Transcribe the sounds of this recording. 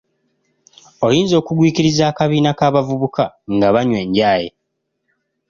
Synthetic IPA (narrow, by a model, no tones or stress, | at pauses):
o̞jiːnzo̞ːkuɡwiːciɾizaːkaβiːnakaːβavuβukaŋɡaβaɲwe̞ːɲɟaːjḛ